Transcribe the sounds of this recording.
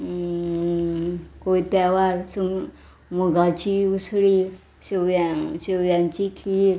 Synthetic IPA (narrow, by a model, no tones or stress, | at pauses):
koit̪aʋaɾsu | moɡat͡ɕiusɽi | ɕojaɕoʋjãɲt͡ɕikʰiɾ